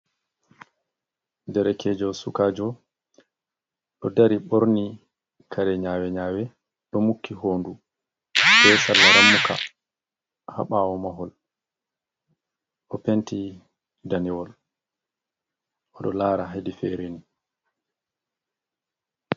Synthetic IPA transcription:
dɛɾɛkʰɛd͡ʒɔwsukaːd͡ʒɔ | ɗɔdaɾiɓɔɾni | kʰaɾɛɲaːwɛɲaːwɛ | ɗɔmukːiɦoːndu | bɛsalːaɾamːuka̰ | ha̰ɓawɔmaɦɔl | ʔɔpenti | danɛwɔl | ʔɔɗɔlaːɾaɦedifɛɾeni

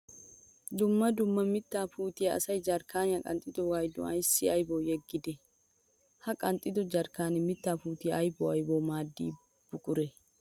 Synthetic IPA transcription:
d̪ʊmːɐd̪ʊmːɐmɪt̪ːaːfuːt̪ɪjɐɐ̰sɐjd͡ʒɐɾkaːnɪɐkʼɐ̰nt̪ʼɪd̪ɔwaːjd̪ʊ̰ɐjsːɪɐjboːjɛɡːɪd̪ɛ | hɐkʼɐnt̪ʼːɪd̪ɔd͡ʒɐɾkaːnɛmɪt̪ːaːfuːt̪ɪjɐɐjboɐjboːmaːd̪ːḭ | b̥ʊkʼʊɾɛ

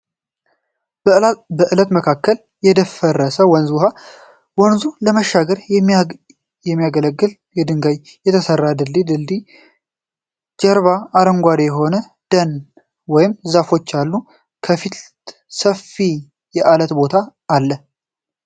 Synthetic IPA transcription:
bəʔɨlət̪məkʰakːəl | jɛd̪əfərːəsəwɔnzha | wɔnzuləməʃːaɡəɾ | jɛmːijaɡələɡːɨl | jɛd̪ɨŋɡajjɛt̪ʰəsərːad̪ɨld̪id̪ɨld̪i | d͡ʒɛɾβaːɾəŋɡʷad̪ejɛɦo̞nə | d̪̥ən | wɔjɪmzafo̞t͡ʃːalːu | kʰəfit̪ | səfi | jɛʔalət̪bo̞t̪ʰaːlːə

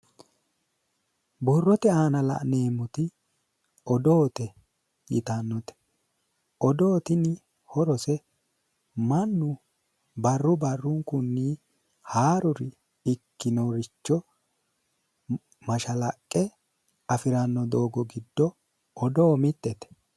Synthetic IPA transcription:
bɔrːɔt̪ɛaːnɐlɐ̰ʔne̞ːmːʊt̪ɪ | ɔd̪oːt̪ɛ | jɪ̰t̪ɐnːɔt̪ɛ̥ | ɔd̪oːt̪ɪnɪ | hɔɾɔsɛ | mɐnːʊ | bɐrːʊbɐrːʊŋkʊnːiː | haːɾʊɾɪ | ɪkːɪnɔɾɪt͡ʃːɔ | mɐʃɐlɐkʼːɛ | ɐfɪɾɐnːɔd̪oːɡɔɡɪd̪ːɔ | ɔd̪oːmɪt̪ːɛt̪ɛ̥

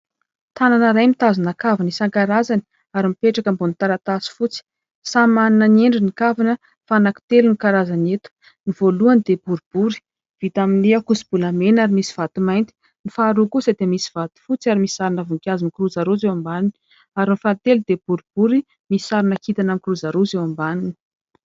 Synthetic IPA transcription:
t̪ananəɾajmit̪azinakavinisaŋkaɾazani̥ | aɾimipeʈ͡ʂakəmbonit̪aɾat̪asi̥fut͡si̥ | samaninənieɳɖ͡ʐinikavinə | faːnaku̥t̪elunikaɾazanet̪u̥ | niv̥oluanid̪ebuɾub̥uɾi̥ | v̥it̪aminiakusi̥b̥ulamenaɾimisi̥v̥at̪imajnt̪i̥ | nifaɾukusəd̪emisi̥v̥at̪i̥fut͡siaɾimisaɾinəvuŋkʲazinikuɾuzaɾuzewambanini | aɾinifant̪elud̪eb̥uɾub̥uɾi | misaɾinakit̪anankuɾuzaɾuzewambanini̥

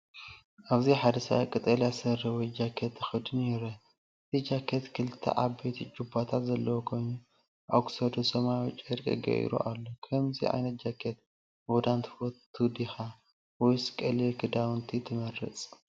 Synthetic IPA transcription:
ʔaβziħad̪ɐsɐ̰βakʼɨt̪ʼɐljasɐɾɐwɔjd͡ʒakʰːet̪ʰːɨxɨd̪ɨnɛɾɐ | ɨt̪ʰid͡ʒakʰːɐt̪kʰɨlɨt̪ʰːɐ̰ʔabejt̪ʰid͡ʒubat̪ʰat̪zɐlːɐwokʰo̞jnu | ʔo̰ksɐd̪osɐmajwt͡ʃʼːɐɾkʼɐ̰ɡɐ̰ʔḭɾṵʔalːokʰɐmzḭʔa̰jnɐt̪̚d͡ʒakʰːet̪̚ | bod̪ant̪ʰfoɨd̪ixa | wɔjskʼɐlikʰɨd̪awnt̪ʰit̪ʰɨmɐrːɨ̰t͡sʼ

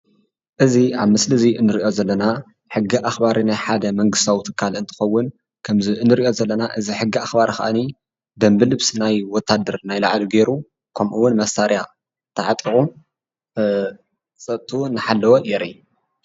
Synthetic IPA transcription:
ʔɨziʔaβmɨslɨziɨnːɨɾiʔo̞zɐlːɐna | ħɨɡːiʔaxbaɾinajħad̪ɐmɐŋɡɨst̪ʰawit̪ʰɨ̥kʰːalɨnt̪ʰɨ̥xɐwːʊn | kʰɐmziɨnːɨɾiʔo̞zɐlːɐnaʔɨziħɨɡːiaxbaɾxɐ̰ʔani | d̪ɐmbɨlɨβsinajwɔt̪ʰːad̪ɐɾnajlaʕliɡeɾu | kʰɐmʔuwʊnmɐsaɾja | t̪ʰɨʕat̪ʼiɣʼu | t͡sʼɐt̪ʼʰːunɨħalːɐwojɛɾi

